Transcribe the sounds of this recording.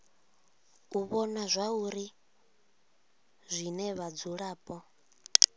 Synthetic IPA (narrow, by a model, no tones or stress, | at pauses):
uβɔnazʷauɾi | zʷinɛβad͡zuɺaːpʼɔ